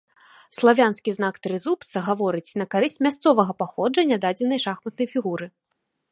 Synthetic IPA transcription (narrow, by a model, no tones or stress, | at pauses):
slˠavʲanskʲiznakt̪ɾɨzupt̪sɐɣavɔɾɨt͡sʲnɐkaɾɨsʲt͡sʲmʲast̪sɔvɐɣɐpaxɔd͡ʐɐnʲad̪ad͡zʲɛnɐjʂaxmɐt̪̚nɐjfʲiɣuɾɨ